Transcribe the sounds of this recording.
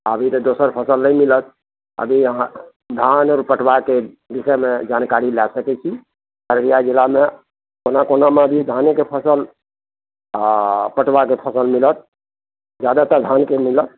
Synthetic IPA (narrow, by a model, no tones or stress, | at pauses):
əbʱit̪ɔd̪osəɾpʰəsəlnəmilət̪̚ | ə̰bʱiã | d̪ʱanɔɾpəʈʰbake | b̪isəmed͡ʒankaɾilɛsəkɛt͡ʃʰi | əɾbijad͡ʒilame | konakonamabʱid̪ʱanekepʰəsəl | pəʈbakepʰəsəlmilət̪̚ | d͡ʒjad̪at̪əɾd̪ʱankemilət̪̚